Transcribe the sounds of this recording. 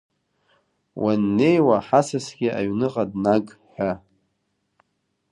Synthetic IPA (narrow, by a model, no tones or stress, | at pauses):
wʔanːejwaħasasɡʲɪʔa̰ɥnɨqʼadnaɡʼħʷᶣa